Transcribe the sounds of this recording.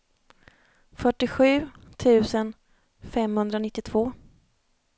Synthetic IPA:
fœʈːɪɧʉ̟ːt̪ʰʉ̟ːsən | fɛmhɵnd̪ɾanɪt̪ːɪt̪ʰv̥oː

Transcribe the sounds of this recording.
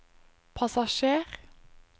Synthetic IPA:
pʰɑsɑʃeːʁ

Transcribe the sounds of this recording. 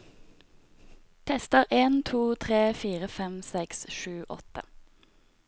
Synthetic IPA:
t̪ʰɛst̪əʁʔeːnt̪ʰuːt̪ʰʁeːfiːʁəfɛmsɛksʃʉːʔɔ̰t̪ə̰

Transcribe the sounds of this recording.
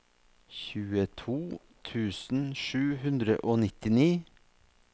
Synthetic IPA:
çʉːət̪ʰuː | t̪ʰʉːsn̩ʃʉːhʉnd̪ɾə̰ʔoːnɪt̪ɪniː

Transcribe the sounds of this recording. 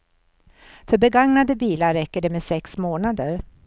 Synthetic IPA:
fœɾbɛɡaŋnad̪əbiːlaɾɾɛkːəɖɛmɛsɛksmoːnad̪əɾ

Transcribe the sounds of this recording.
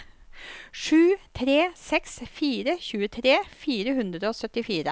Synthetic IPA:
ʂʉːt̪ʰɾeːsɛksfiːɾəçʉːət̪ʰɾeːfiːɾəhʉnd̪ɾəoːsœt̪ɪfiːɾə

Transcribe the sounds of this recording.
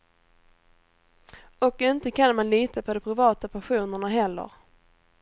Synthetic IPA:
ɔkɪnt̪əkʰanmanliːt̪apʰɔd̪ɔmpʰɾɪvɑːt̪apʰaɧuːnəɳaɦɛlːə̰ɾ

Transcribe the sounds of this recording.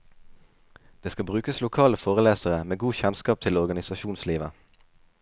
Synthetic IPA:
d̪̥eːskɑbʁʉːkəslʊkʰɑːləfoːʁəleːsəʁəmeːɡuːçɛnskɑːp̚t̪ʰɪlɔʁɡɑnɪsɑʃuːnsliːʋə

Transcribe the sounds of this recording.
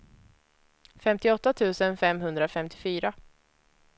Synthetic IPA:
fɛmt̪ɪɔt̪ːat̪ʰʉ̟ːsənfɛmɦɵnd̪ɾafɛmt̪ʰɪ̥fyːɾa

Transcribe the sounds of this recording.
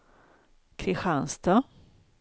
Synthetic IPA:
kʰɾɪɧanst̪a

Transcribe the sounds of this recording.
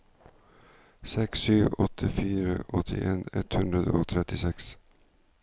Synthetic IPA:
sɛksyːʋɔt̪ʰɪfiːɾəʔɔt̪ʰɪʔeːnɛt̪hʉnd̪ɾəd̪oːt̪ʰɾɛt̪ɪsɛks

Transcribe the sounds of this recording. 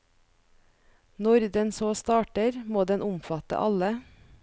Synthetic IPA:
nɔɾd̪ɛnsoːst̪ɑːʈəɾmoːd̪ɛnʊmfɑt̪ə̰ʔɑlə

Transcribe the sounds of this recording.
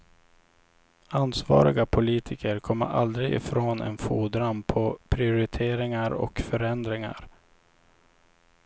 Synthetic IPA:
anːsvɑ̰ːɾɪɡapʰʊliːt̪ʰɪkʰəɾkʰɔmːə̰ɾʔa̰ld̪ɾɪɡɪ̰fɾoːnɛ̰nfuːd̪ɾanpʰɔpʰɾɪʊɾɪt̪ʰeːɾɪŋaɾɔ̰kfœɾɛnd̪ɾɪŋa̰ɾ

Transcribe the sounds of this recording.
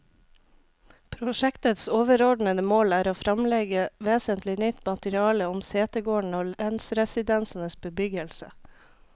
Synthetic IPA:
pʰɾʊʃɛkt̪ət̪soːʋəɾɔɖɳəd̪əmoːlæːɾoːfɾɑmlɛɡəʋeːsənt̪lɪnʏt̪mɑt̪əɾɪɑːləʊmseːt̪əɡoːɳoːɾɛnsɾɛsɪd̪ɛnsɑnəsbəbʏɡəlsə̰

